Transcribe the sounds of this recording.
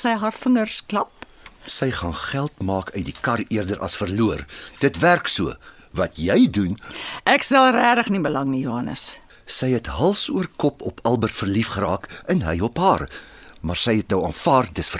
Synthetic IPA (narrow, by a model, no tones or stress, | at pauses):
səjɦɑːrfəŋərsklɐp̚ | səjχɑːnχælˠtmɑːkʰœɥt̚dikɐriərdəɾʔɐ̰sfərluərd̥ətværksuəvɐtʰjɛjdunʔæksɛlˠræːdəχnibəlɐŋnijuɦɐnə̰s | səjɦɛtɦɐlˠfsuərkɔpɔpʰɐlˠbərtfərlifχəɾɑːkənɦəjɔpɦɑːr | mɑːrsəjɛtnəwɑːnfɑːrdəsfər